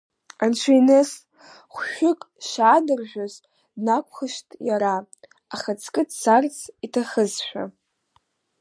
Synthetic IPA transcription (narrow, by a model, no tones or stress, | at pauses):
ant͡ʃʷʰajnɨs | χʷʃᶣʊkʼ | ʃaːdɨrʒʷᶣaz | nakʷʰʼχəʃtʼjaɾaː | χat͡sʰkʼɨdsart͡sʰʼitʰaχəzʃᶣa̰